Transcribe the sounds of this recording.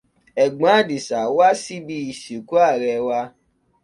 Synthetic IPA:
ɛ˨ɡ͡bã˨˦di˨sa˨wa˦si˦bi˧˦i˨si˨ku˦a˦˨ɾɛ˧˨wa˧

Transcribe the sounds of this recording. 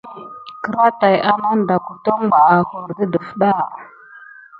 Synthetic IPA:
kə˨ɾa˦ta˨ja˦na˦n˦da˨ku˨to˦ŋ˦ɡ͡ba˨a˨xo˨ɾdə˦də˨fɗa˦˨

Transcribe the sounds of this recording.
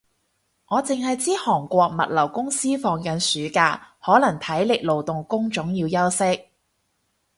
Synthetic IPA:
ŋɔː˨˧t͡sɪ˨ŋhɐ˨jt͡siː˥hɔː˨˩ŋkʷɔː˧k̚mɐ̰˨t̚lɐ˨˩wkʊ˥ŋsiː˥fɔː˨˧ŋkɐ˨˧nsyː˨˥kaː˧hɔː˨˥lɐ˨˩ŋt̪ʰɐ˨˥jlɪ˨k̚lo˨wt̪ʊ˨ŋkʊ˥ŋt͡ʃʊ˨˥ŋjiː˧wjɐ˥wsɪ˥k̚

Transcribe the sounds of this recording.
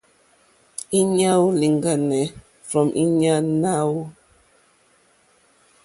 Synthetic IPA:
i˦ɲa˦wli˨ŋɡa˦˨nɛ˨ | fɹɔ˨mʔi˦ɲa˦na˦w

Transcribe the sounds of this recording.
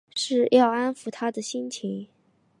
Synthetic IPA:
ʂɻ̩˥˧jɑ˥˩ʊa˥nfu˨˩t̪ʰa˥d̪ə˨ɕi˥nt͡ɕʰi˧˥ŋ

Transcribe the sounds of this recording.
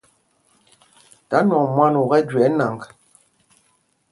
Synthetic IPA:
ta˨˦nɔ˨mwa˦nu˨ɣɛ˦d͡ʒɥɛ˨˦na˨ŋk

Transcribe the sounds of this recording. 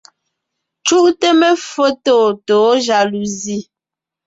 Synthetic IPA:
t͡ʃu˦ʔte˦mɛ˦fo˦toː˦˨toː˨˦ʒa˨lu˨zi˦˨

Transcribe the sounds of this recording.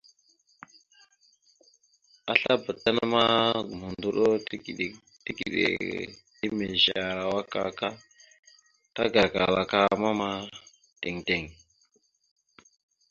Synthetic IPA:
a˨ɬa˦bə˨ta˦na˦ma˦ɡu˨mu˨ndu˦ɗo˦˨ɗ | ti˦ɡḭ˨ɗḛ˨ | i˦me˨ʒa˨ɾa˨wa˦ka̰˨ka˦ | ta˦ɡa˨ɡa˨la˨ka˦ma˦ma˦ | te˨ŋte˨ŋ

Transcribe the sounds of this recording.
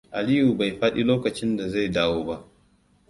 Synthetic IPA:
ʔa˨li˦ju˨ba˨jɸa˦ɗi˦loː˦kɐ˨t͡ʃɪ˦nda˨za˦˨jdaː˦woː˦ba˦ʔ

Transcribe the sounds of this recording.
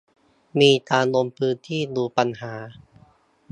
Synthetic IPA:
miː˧taː˧nlo˧mpʰɯː˦˥nt̪ʰiː˥˩duː˧pa˧nhaː˩˦

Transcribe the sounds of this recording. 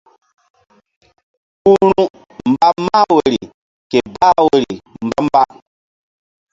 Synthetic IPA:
ku˦ɾu˦ | m̩˨ba˦ma˦we˨ɾi˨ | ke˨ba˦we˨ɾḭ˨m̩˨ba˦m˦ba˦

